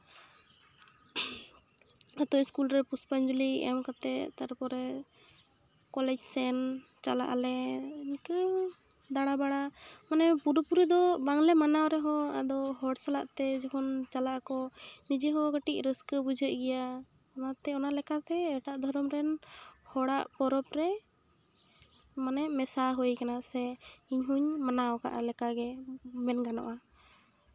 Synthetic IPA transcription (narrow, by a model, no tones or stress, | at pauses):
at̪ɔiskulɾɛpuspand͡ʒuliɛ̰mkat̪ɛt̪aɾpɔɾɛ | kɔlɛd͡ʒsɛn | t͡ʃala̰ʔa̰lɛnkə | d̪aɽ̃abaɽamanɛpuɾpuɾid̪ɔbaŋlɛmanawɾɛɦɔ̃a̰d̪ɔɦɔɽsalaʔt̪ɛd͡ʒɔkɔnt͡ʃalaʔkɔnid͡ʒɛɦɔɡəʈic̚ɾəskəbud͡ʒəʔ̚ˀɡɛja | ɔnat̪ɛɔnaʔlɛkat̪ɛːʈaʔd̪ʱɔɾɔmɾɛnhɔɽaʔpɔɾɔpɾɛ | manɛʔmɛsaɦujkanaʔsɛiɲɦuɲmanawka̰ʔalɛkaɡɛmɛnɡanɔ̰ʔa